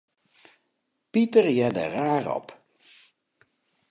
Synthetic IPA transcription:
pitərjɛdə̰raːrɔ̰p

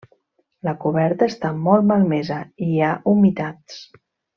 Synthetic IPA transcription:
ləkuβɛɾt̪əːst̪amɔlˠt̪malˠmɛzəiaʔumit̪at͡s

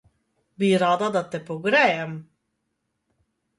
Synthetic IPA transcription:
biːɾaːd̪ad̪at̪ɛpɔɡɾɛjɛm

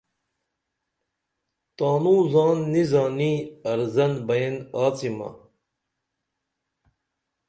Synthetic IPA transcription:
t̪aːnũːzaːnːizaːniːɐɾzɐnbɐjenaːt͡simɐ̰

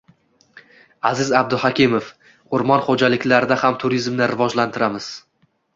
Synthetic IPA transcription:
azɪzab̚d̪ʊhakʲɪmof | ʊɾmɒnχod͡ʒalɪkʲlaɾɪd̪ahamt̪ʰʊɾizmnɪɾɪvɒd͡ʒlant̪ʰɪɾamɪz̥

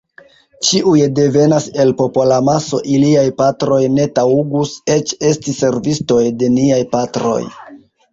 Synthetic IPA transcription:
t͡ʃiʔujde̞ve̞nase̞lpo̞polamaso̞̰ʔiliajpatɾo̞jne̞tauɡuse̞t͡ʃe̞stise̞ɾvisto̞jde̞niajpatɾo̞̰j

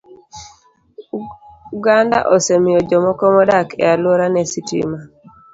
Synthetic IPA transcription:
uɡanda̰ʔosemɪjɔd͡ʒɔmɔkɔmɔdakɛ̰alwoɾanɛsitḭma

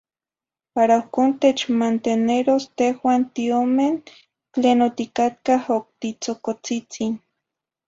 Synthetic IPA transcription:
paɾaohkoːnt̪et͡ʃmant̪eneɾost̪ehwaːnt̪iomen | t͡ɬeːnot̪ikat̪̚kahok̚t̪it͡sokot͡sit͡sin

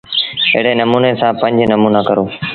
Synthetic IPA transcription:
ɪ̰ɦɽeːnəmuːnesãːpə̃ɲd͡ʑnəmuːnaːkəɾoː

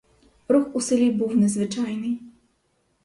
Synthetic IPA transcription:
ɾuxusɛlʲibuwnɛzʋɪt͡ʃɑjnɪj

